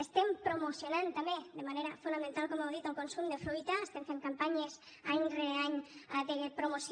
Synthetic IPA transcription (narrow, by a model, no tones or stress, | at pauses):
est̪empɾomosjonãnt̪amed̪emaneɾafund̪amẽnt̪alkomewðit̪oŋkonsumd̪efɾujt̪aest̪eɱfeŋkampaɲes | aɲreaɲad̪epɾomos